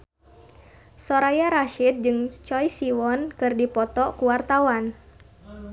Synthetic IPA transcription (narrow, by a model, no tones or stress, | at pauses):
sɔɾajaɾaʃid̪̚d͡ʒɨŋt͡ʃɔjsiwɔnkɨrdipɔt̪ɔkuwart̪awan